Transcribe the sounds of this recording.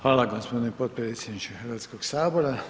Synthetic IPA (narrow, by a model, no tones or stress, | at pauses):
xaːlaɡospod̪nʲipot̪̚pɾeːt̪sʲjed̪nit͡ʃexəɾʋat̪skoɡsaːboɾa